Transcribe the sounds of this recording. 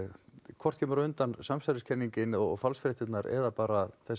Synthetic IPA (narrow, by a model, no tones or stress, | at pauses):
kʰvɔr̥t̪̚cʰɛːmʏɾʏnt̪ansamsaɾɪscʰɛnːiɲcɪnɔɣɔɣfalsfɾɛht̪ɪt̪naɾɛ̰ðapaːɾaθɛs